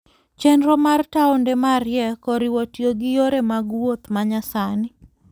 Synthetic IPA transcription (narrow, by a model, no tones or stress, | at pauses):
t͡ʃɛnɾɔmartaʊndɛmarjɛkɔɾɪwotjoɡɪjoɾemaɡwot̪maɲasanɪ